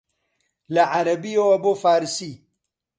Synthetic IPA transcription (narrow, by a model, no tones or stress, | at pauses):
laʕaɾɐbioɐbofaːɾsi